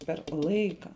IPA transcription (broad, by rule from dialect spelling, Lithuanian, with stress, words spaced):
pʲɛr ˈlˠɐɪkɐ